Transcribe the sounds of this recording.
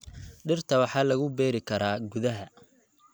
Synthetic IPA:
ɖɪrt̪ʰɐwɑħɑːlɐɣʊbɛːɾɪkʰɐɾaːɡʊðɐɦɐ

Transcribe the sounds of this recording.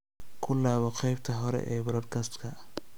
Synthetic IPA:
kʰʊlaːβɔqɛjbt̪ʰɐɦɔɾɛ̰ʔɛːbɾɔːd̪kʰaːst̪kʰɐ

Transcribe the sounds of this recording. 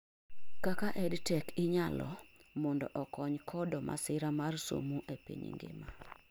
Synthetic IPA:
kakaʔɛdtɛkɪɲalɔ̰mɔndɔ̰ʔɔkɔɲkʰɔdɔma̰sɪɾamarso̰muʔepḭɲḭŋɡɪ̰ma

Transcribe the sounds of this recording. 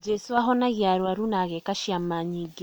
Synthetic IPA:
d͡ʒɛsuaɦɔnaɣjaɾwaɾunaɣɛkaʃiamaɲiɡi

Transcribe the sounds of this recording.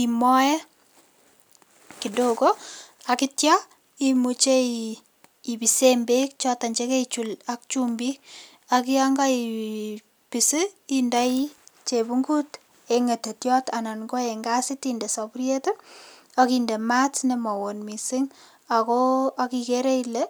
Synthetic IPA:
kimɔjɛ | kidokoakɪtja | imut͡ʃei | ibisembekt͡ʃɔtaɲd͡ʒeket͡ʃulak̚t͡ʃumbi | akiaŋɡai | pisiindait͡ʃebuŋɡut | eŋetetjɔtananɡoeŋɡasɪtindesɔpuɾjetun | akindematnemɔwonmisɪŋ | akɔakikeɾeile

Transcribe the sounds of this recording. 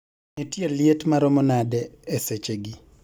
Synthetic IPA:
nɛtjeljetmaɾɔmɔnadɛːset͡ʃeɡi

